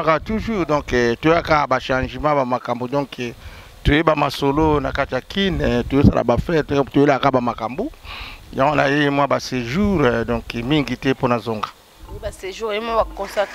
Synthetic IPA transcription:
katuʒuʁdɔ̃kɛtojeakabaʃãʒəmãbamakambodɔ̃kʰɛ | tojebamasolonakatijakʰintojesa̰lʔa̰bafɛtojelakabamakambojãŋɡonajemwabaseʒuʁdɔ̃kɛmiŋɡitɛponazoŋɡḁ | baseʒuemwabakɔ̃sat

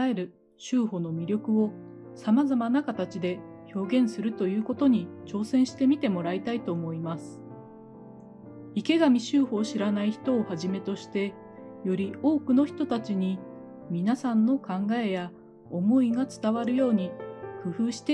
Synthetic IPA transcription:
eɾɯ̟ | ɕɨːho̞no̞mʲiɾʲo̞kɯ̟o̞ | samazamanakat̪at͡ɕid̪e̞ | ço̞ːɡẽ̞ɰ̃sɨɾɯ̟t̪o̞jɯ̟ːko̞t̪o̞ɲ̟it͡ɕo̞ːsẽ̞ɰ̃ɕi̥t̪e̞mʲit̪e̞mo̞ɾait̪ait̪o̞ːmo̞imasɨ̥ | ike̞ɡamʲiɕɨːho̞ːɕiɾanaiçi̥t̪o̞ːhaʑime̞t̪o̞ɕi̥t̪e̞ | jo̞ɾʲio̞ːkɯ̟no̞çi̥t̪o̞t̪at͡ɕiɲ̟i | mʲinasãnːo̞kãŋɡae̞ja | o̞mo̞iɡat͡sɨ̥t̪aβaɾɯ̟jo̞ːɲ̟ikɯ̟ɸɯ̟ːɕi̥t̪e

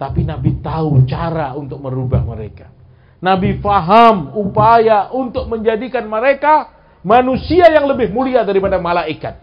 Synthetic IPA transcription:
t̪apinabit̪aut͡ʃaɾaunt̪ʊk̚məɾubahməɾekḁ | nabifaɦamupajaʔunt̪ʊk̚məɲd͡ʒadikanməɾeka | manusiajaŋləbɪhmuliadaɾipadamalaikat̪̚

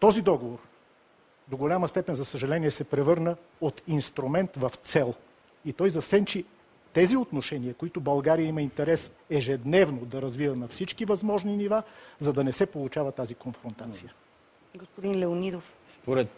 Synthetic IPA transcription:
t̪ɔzid̪ɔɡovoɾ | d̪oɡolʲaməst̪ɛpɛnzɐsəʒɐlɛniɛsɛpɾɛvɤɾnə | ot̪inst̪ɾumɛnt̪vɐft̪sɛlˠ | it̪ɔjzɐsɛnt͡ʃi | t̪ɛziot̪noʃɛniəkoit̪ʊbɐlˠɡaɾijəiməint̪ɛɾɛsɛʒɛd̪nɛvnod̪ɐɾɐzvivənɐfsit͡ʃkivɐzmɔʒninivazɐd̪ɐnɛsɛpolˠut͡ʃavət̪azikonfɾont̪at̪sijə | ɡospod̪inlɛonid̪ofspoɾɛt̪

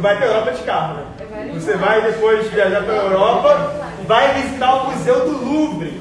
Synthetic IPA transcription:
vajpɾɐewɾɔpɐd͡ʒɪkamɐɾɐ | vosevajd̪epojʃviaʒaɾpɾɐewɾɔpɐ | vajvizit̪aɾʊmuzewd̪ʊlũbɾɪ

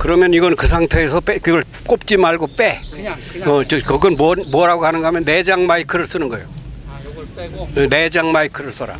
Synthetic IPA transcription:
kɯɾʌmjʌniɡʌnkɯs̬ʰaŋtʰe̞ːsʰʌpekiɡʌɭ | k͈op̚t͡ɕ͈imaɭɡop͈e | ʌt͡ɕʌkʌɡʌnmʌnmuʌɾaɡoɦanɯnɡʌɦamjʌnːed͡ʑaŋmaikʰɯɾɯɭs͈ɯnɯnɡʌejo | ne̞d͡ʑaŋmaikʰɯɾɯɭs͈ʌɾa̰

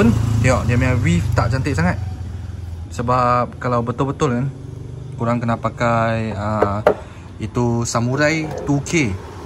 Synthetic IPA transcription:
əniɔʔdamiawift̪aʔt͡ʃant̪ɪʔsaŋat̪̚ | səbap̚kalawbət̪ʊlbət̪ʊlkan | kuɾaŋkənapakajə | it̪usamuɾajt̪ukʰe

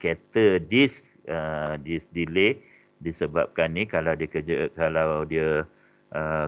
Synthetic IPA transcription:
ket̪ədis | ədisdile | disəba̰p̚kanikalawdiəkəd͡ʒəkalawdiə | ʔə

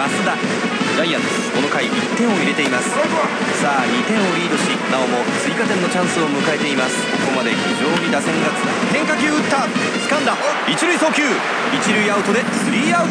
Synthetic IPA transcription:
masɨd̪a | d̪edaiːad̪e | ko̞no̞kaiit̪ːẽ̞ɰ̃o̞iɾe̞t̪e̞imasɨ̥ | saːɲʲit̪ẽ̞ɰ̃o̞ɾʲiːd̪o̞ɕinao̞mo̞t͡sɨikat̪ẽ̞nːo̞t͡ɕãɰ̃sɨo̞mɯ̟kae̞t̪e̞imasɨ̥oko̞mad̪e̞çiʑo̞ːɲʲid̪asẽ̞ŋɡat͡sɨd̪ahẽ̞ŋkakʲɨːɯt̪ːa | t͡sɨ̥kãnd̪a | it͡ɕiɾɯ̟iso̞ːkʲɯː | it͡ɕiɾɯ̟iaɯt̪o̞d̪e̞sɨɾʲiːaɯ̟

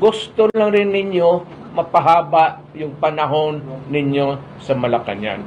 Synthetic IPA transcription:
ɡʊst̪olaŋɾɪnːɪɲjo | mɐpɐɦaːbaʔ | jʊŋpɐnɐɦo̞nːɪɲjo | sɐmɐlɐka̰nja̰n

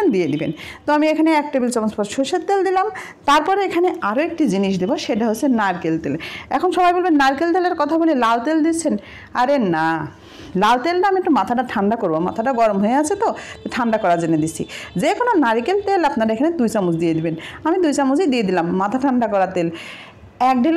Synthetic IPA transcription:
d̪ied̪ibḛn | t̪oamiekʰaneɛk̚ʈabilt͡ɕɔmospɔɾʃoʃet̪̚t̪eld̪ilam | t̪aɾpɔɾeekʰaneaɾoek̚ʈid͡ʑiniʃ̬d̪eboʃeʈaɦoenaɾikelt̪elɛ̰kʰonʃɔbajbolbenːaɾikelt̪eleɾkɔt̪ʰabolelalt̪eld̪it͡ɕʰen | aɾena | lalt̪elʈaamiek̚ʈumat̪ʰaʈaʈʰaɳɖakoɾboma̰t̪ʰaʈaɡɔɾomɦoeat͡ɕʰet̪oeʈʰaɳɖakɔɾad͡ʑenːed̪itːt͡ɕʰḭd͡ʑekʰononaɾikelt̪elapnaɾaekʰaned̪ujt͡ɕamud͡ʑd̪ied̪ibenamid̪ujt͡ɕamud͡ʑed̪ijed̪ilamːat̪ʰaʈʰaɳɖakɔɾat̪el | ɛk̚ɖel

